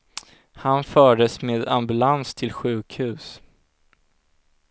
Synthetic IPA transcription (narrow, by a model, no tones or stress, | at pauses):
hanfœːɖəsmeːd̪a̰mbɵlanst̪ʰɪlɧʉ̟ːkhʉ̟ːs